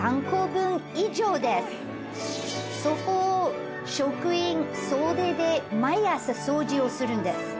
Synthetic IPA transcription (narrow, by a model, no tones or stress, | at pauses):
ãŋkoːbɯ̃ŋid͡ʑoːd̪e | so̞koː | ɕokɯ̟ĩŋ | soːd̪e̞ːd̪e̞maiasɨsoːd͡ʑiosɨɾɯ̟̃nd̪esɨ̥